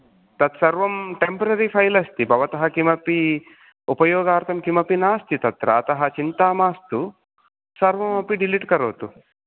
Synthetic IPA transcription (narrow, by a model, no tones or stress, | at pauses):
t̪ɐt̪sɐɾʋɐmʈempɐɾɐɾipʰɐjlɐst̪ibʱɐʋɐt̪ɐɦɐkimɐpi | upɐjoːɡaːɾt̪ʰɐmkimɐpinaːst̪it̪ɐt̪ɾɐ̰ːt̪ɐɦɐt͡ʃint̪aːmaːst̪u | sɐɾʋɐmɐpiɖiliʈkɐɾoːt̪u